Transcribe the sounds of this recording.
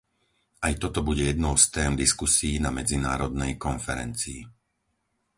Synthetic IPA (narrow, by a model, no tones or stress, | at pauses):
ʔajt̪ɔt̪ɔbuɟɛjɛd̪nɔʊst̪ɛːmd̪iskusiːnamɛd͡zinaːɾɔd̪nɛjkɔnfɛɾɛ̰nt͡siː